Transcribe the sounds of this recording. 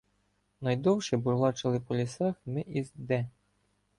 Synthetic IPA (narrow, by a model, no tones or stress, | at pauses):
nɐjd̪ɔwʃibʊlˠɑt͡ʃɪlˠɪpɔlʲisɛxmɪʔizd̪ɛ